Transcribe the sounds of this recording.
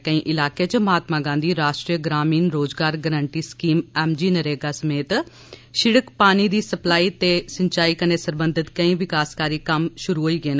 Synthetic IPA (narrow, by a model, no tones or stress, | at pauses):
kəĩːʔɪlaːkeːt͡ʃəmaːt̪mãːɡãːd̪iːɾaːʃʈɾiːəɡɾaːmiːnɾoːd͡ʒɡaːɾɡəɾəɳʈiːskiːmɛːmd͡ʒiːnəɾeːɡaːsəmeːt̪ | ʃɪɽəkpaːniːd̪iːsəplaːiːt̪eːsəɲt͡ʃaːiːkəneːsəɾbənd̪ʱɪt̪kəĩːʋɪkaːskaːɾiːkəmʃʊɾuːɦoːiːɡeːn